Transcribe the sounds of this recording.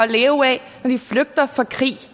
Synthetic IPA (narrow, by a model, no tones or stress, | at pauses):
ɒleːʊɛ | nɒd̥ifløɡ̥̚d̥ɐfɑkʰʁḭː